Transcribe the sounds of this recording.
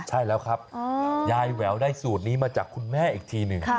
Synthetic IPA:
t͡ɕʰa˥˩jlɛː˦˥wkʰɾa˦˥p̚ːjaː˧jwɛː˩˦wdaː˥˩jsuː˨˩t̪̚niː˦˥maː˧t͡ɕaː˨˩kʰːu˧nmɛː˥˩ʔiː˨˩k̚t̪ʰiː˧nɯ˨˩ŋ

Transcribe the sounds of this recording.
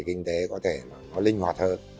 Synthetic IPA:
kï˧ŋ̟t̪e˨˦kɔ˨˦t̪ʰe˧˩maː˨˩kɔ˨˦lï˧ŋ̟hwaː˨˩t̚həː˧n

